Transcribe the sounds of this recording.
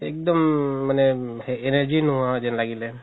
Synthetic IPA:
ek̚d̪əmːəneː | nəɾd͡ʒinuãd͡ʒɛnlaɡile

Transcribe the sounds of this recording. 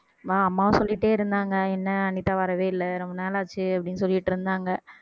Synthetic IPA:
ʋaːɐmːaːʋɐ̃sɔlːɪʈːeːɪɾɯnd̪aːŋɡɐɛnːɐɐnɪt̪ːaːʋɐɾɐʋeːɪlːɐɾɔmbɐnaːlaːt͡ʃːɯɐpːɐɽɪnːɯsɔlːɪɪʈːɪɾɯnd̪aːŋɡɐ

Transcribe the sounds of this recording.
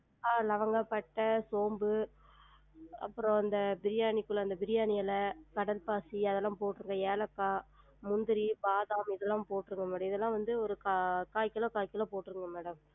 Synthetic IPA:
aːlɐʋɐŋɡɐpːɐʈːɐsoːmbɯ | ɐ̰pːɯɾõɐnd̪ɐbɪɾɪjaːnɪkːɯɭːɐɐnd̪ɐbɪɾɪjaːnɪjɐlɐkɐɽɐlpaːsiɐðɛlːãːpoːʈːɾɯŋɡɐeːlɐkːaː | mʊnd̪ɯɾibaːðaːmɪðɛlːãːpoːʈːɯɾɯŋɡɐmeːɽɐmɪðɛlːãːʋɐnd̪ɯɔɾɯkakaːjkːɪlɐ̃ːkaːjkːɪlɐ̃ːpoːʈːɯɾɯŋɡɐmeːɽɐm

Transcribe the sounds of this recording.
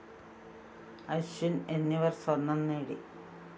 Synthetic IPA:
ɐjɕunenːiʋɐrsɐrnːɐnːeːɽḭ

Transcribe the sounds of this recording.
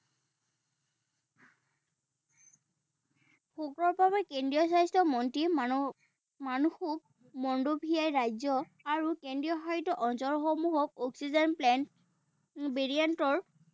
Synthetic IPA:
pʰokɹɔɹbʱabɛkendɹijɔsajstɔmɔntɹi | manuxuk̚ | mɔndobʱijajɹajzɔ | aɹukendɹijɔxajitɔʔɔnzɔɹxɔmuɦɔk̚ɔksizɔnplɛn | beɹiantɔɹ

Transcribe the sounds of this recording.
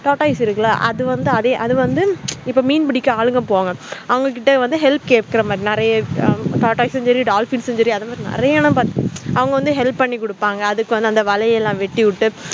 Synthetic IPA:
ʈaːʈɐɪsɪɾɯkːɐlaːʔɐ̰ðɯʋɐnd̪ɯɐðeːʔɐðɯʋɐnd̪ɯɪpːoːmiːnbɪɽɪkːɯaːɻɯŋɡɐpoːŋɡɐɐʋɐŋɡɐk̬ɪʈːɐʋɐnd̪ɯɦɛlp̚keːʈ̚kɪɾɐmaːd̪ɾinɪɾɐjɐʈaːʈːɐɪsɛɲd͡ʒɐɾiɖaːlfinsɛɲd͡ʒɐɾiɐðɐmaːd̪ɾinɪ̰ɾɐjɐːnɐ̃mpaːɾt̪ɯɐʋɐŋɡɐʋɐnd̪ɯɦɛlpːpɐɳːikːʊɽɯpːaːŋɡɐːðɯkːɯʋɐnd̪ɯɐnd̪ɐʋɐlɐjɛlːãːʋɛʈːɪʋɪʈːɯ

